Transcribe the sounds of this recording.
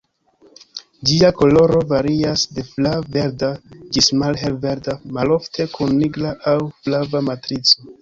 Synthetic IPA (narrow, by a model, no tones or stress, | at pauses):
d͡ʒiako̞lo̞ɾo̞vaɾiasde̞flave̞ɾdad͡ʒismalɦelve̞ɾdamalo̞ftʰe̞kunːiɡlaʔawflavamatɾit͡so